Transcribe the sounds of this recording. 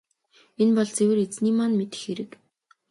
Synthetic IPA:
enpɔɮt͡sewɘ̆ret͡sniːmanmet̪ɘ̥̆xeɾɘ̆k

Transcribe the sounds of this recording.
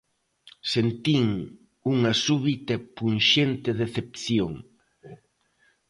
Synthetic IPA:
sent̪iŋ | uŋɐsuβit̪ɐpunʃent̪eðeθepθjoŋ

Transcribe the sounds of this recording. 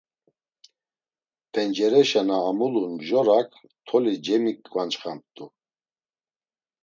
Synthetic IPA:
t̪ʰɛnd͡ʒɛɾɛʃanaːmulunʒɔɾakʰ | t̪ʰɔlid͡ʒɛmikːʼvant͡ʃχamp̚t̪ʼu

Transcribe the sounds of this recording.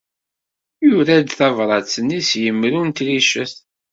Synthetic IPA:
jʊɾæd̪θævɾˤɑt͡sːənːisjəmːɾunt̪liʃəθ

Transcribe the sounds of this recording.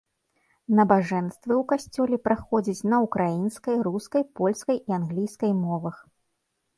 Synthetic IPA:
nɐbaʐɛnst̪vɨwkasʲt͡sʲɔlʲɛpɾaxɔd͡zʲit͡sʲnɐukɾʔajinskɐjɾuskɐjpɔlʲskɐjianɣlʲijskɐjmɔvɐx

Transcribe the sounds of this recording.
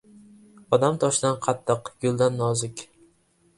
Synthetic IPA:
ɒd̪amt̪ʰɒʃd̪anqʰɑt̪ʰːɨqɡʊlˠd̪anːɒzɪkʲ

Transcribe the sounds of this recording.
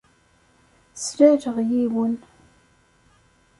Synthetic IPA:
slæɾəʁjiwən

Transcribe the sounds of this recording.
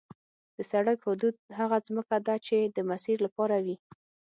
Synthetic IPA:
d̪̥əsaɽakhʊd̪ud̪̚ɦaɣazməkad̪at͡ʃed̪əmasiɾlapɑɾawi

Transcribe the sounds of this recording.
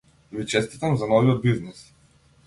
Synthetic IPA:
vit͡ʃɛst̪it̪amzanɔviɔd̪̚biznis

